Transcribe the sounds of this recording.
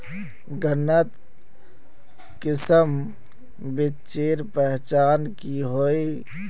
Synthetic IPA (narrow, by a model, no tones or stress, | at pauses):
ɡənːət̪ | kɪsəm | bi | t͡ʃeːɾpəɦt͡ʃaːnkiɦoi